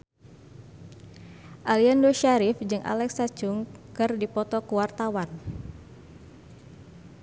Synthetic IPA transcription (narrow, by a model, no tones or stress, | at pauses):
ʔaliandoʃaɾifd͡ʒɨŋʔa̰lɛksat͡ʃuŋkɨrdipɔt̪ɔkuwart̪awan